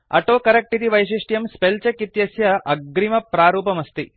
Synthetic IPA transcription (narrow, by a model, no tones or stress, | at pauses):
ɐ̰ʈoːkɐɾɐk̚ʈit̪iʋɐjʃ̬iʂʈjɐmspelt͡ʃɐkit̪jɐsjɐʔɐɡɾimɐpɾaːɾuːpɐmɐst̪i